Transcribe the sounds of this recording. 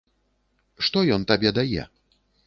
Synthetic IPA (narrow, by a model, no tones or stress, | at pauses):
ʂt̪ɔjɔnt̪abʲɛd̪ajɛ̰